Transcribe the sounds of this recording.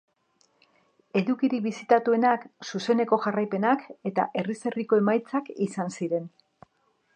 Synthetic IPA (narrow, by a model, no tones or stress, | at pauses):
e̞ðukiɾiβisit̪at̪ue̞naksuse̞ne̞ko̞ʝarajpe̞nake̞t̪a̰ʔe̞rise̞riko̞e̞majt͡sakisansiɾe̞n